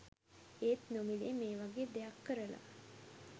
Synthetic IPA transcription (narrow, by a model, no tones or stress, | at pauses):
eːt̪nomiliemeːʋaɡeːd̪eakːəɾəla̰